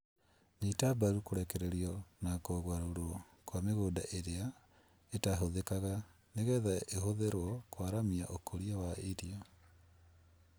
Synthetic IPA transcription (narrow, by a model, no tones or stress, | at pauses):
nitabaɾukoɾɛkɛɾɛɾiɔnakoɣwaɾoɾoɔ | kwameɣoːdaʔeɾea | etaɦoðekaɣa | neɣɛðaehoðeɾwɔkwaɾamiaʔokʰoɾiawaeɾiɔ